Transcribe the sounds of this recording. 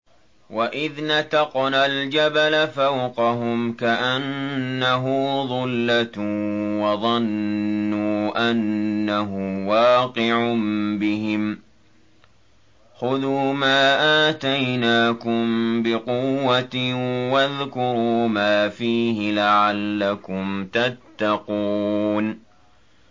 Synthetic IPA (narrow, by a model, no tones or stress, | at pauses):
waʔɪðnat̪ɑqnald͡ʒabalafawqɑɦʊmkaʔanːaɦʊːðˤʊlːat̪wɑðˤɑnːuːʔanːaɦʊmwɑːqɨʕʊmbɪɦɪm | xʊðuːmaːʔaːt̪ajnaːkʊmbɪqʊwːat̪waðkʊɾuːmaːfiːhɪlaʕalːakʊmt̪at̪ːaquːn